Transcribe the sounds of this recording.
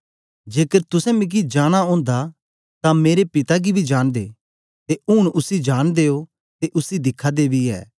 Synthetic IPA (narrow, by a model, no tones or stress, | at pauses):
d͡ʒeːkəɾt̪ʊsɛ̃mĩk̬id͡ʒaːɽ̃aõːnd̪a | t̪ameːɾepɪt̪aɡibʱid͡ʒaːɽ̃d̪ḛː | t̪eʊɽ̃ʊsid͡ʒaːɽ̃d̪eːo | t̪eʔʊsid̪ɪkʰad̪ebʱiɛ̰ː